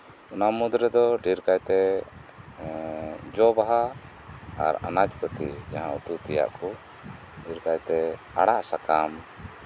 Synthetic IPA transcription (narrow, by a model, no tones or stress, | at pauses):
unamud̪ɾɛd̪ɔɖiɾkajt̪ɛ | d͡ʒɔbaɦa | a̰ɾa̰nad͡ʒpət̪id͡ʒaɦãut̪ut̪ɛja̰ʔkɔ | ɖiɾkajt̪ɛ | a̰ɽaʔsakam